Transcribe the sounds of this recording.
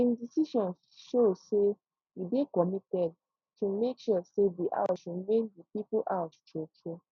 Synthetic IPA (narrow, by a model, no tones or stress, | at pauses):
ĩndisiʃɔ̃n | ʃose | idekɔmitɛd̚ | tʰumekʃusediʔa̰ʊsumẽndipipuʔastɛt͡ʃu